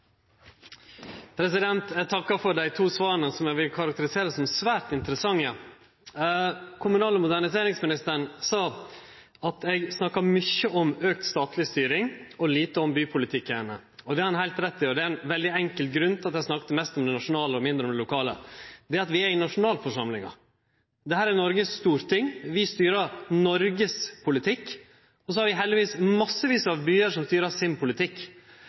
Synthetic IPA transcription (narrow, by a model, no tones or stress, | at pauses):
pʰɾɛsɪd̪ɛnt̪ɛt̪ʰɑkːɑfɔɾɖæɪt̪ʰuːsʋɑːənəsɔmjæɡʋɪlkʰɑɾɑk̚t̪əɾɪseːɾəsɔmsʋæːɾʈɪnt̪əɾəsɑŋːə | kʰʊmʉnɑːləmʊd̪æɳɪseːɾɪŋsmɪnɪst̪əɳsɑː | ɑt̪ʰɛɡsnɑkːɑmʏçəʔɔmøːk̚t̪st̪ɑːt̪lɪst̪yːɾɪŋɔliːt̪əɔmbyːpʰʊlɪt̪ʰɪkːənə | ɔd̪ɛɾhɑnhæɪlt̪ɾɛt̪ːɪjøːɾd̪ɛæɪnʋɛld̪ɪɛŋkəlt̪ɡɾʉnt̪ʰɪlɑt̪æsnɑkːət̪əmɛst̪ɔmd̪ɛnɑʂʊnɑːləɔmɪnd̪ɾəɔmd̪ɛlʊkʰɑːlə̰d̪ɛːɾɑt̪ʋɪæɾɪnɑʂʊnɑːlfɔʂɑmlɪ̰ŋɑ̰ | d̪ɛhæːɾæɾnɔɾɡəsst̪uːɾt̪ʰɪŋːʋɪst̪yːɾɑɾnɔɾɡəspʰʊlɪt̪ʰɪkː | ɔs̬ɔhɑɾʋɪɦɛld̪ɪʋiːsmɑsːəʋiːsəɑʋbyːəɾʂɔmst̪yːɾɑɾsɪnpʰʊlɪt̪ʰɪkː